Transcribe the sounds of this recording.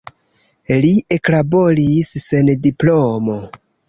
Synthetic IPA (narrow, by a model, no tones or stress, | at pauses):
lie̞klabo̞lisːe̞ndiplomo